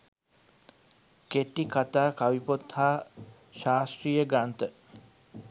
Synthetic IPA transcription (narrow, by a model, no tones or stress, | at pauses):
keʈːikat̪aːkaʋipot̪haː | ʃaːst̪ɾijəɡant̪ə